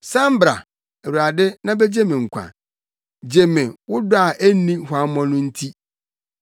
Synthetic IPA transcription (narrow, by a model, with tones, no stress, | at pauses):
sã˦m̩˦bɾa̰˨ | e˨wu˨a˨dɪ˦nã˦be˦d͡ʑe˦mɪ̃˨ŋ̩˨kʷʰã̰˨ | d͡ʑe˨mɪ̃˨wʊ˦dʊ˦a˨ʔæ˦nĩ˦hʊ˨a˨mɔ̃˦nʊ̃˦n̩˦tʰi˦